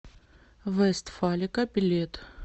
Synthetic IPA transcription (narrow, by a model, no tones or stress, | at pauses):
vɛst̪falʲɪkɐbʲilʲet̪